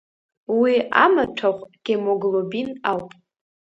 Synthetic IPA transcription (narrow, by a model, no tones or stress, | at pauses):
wia̰maʈ͡ʂʰaχʷʼɡ̥emoɡlobinawpʼ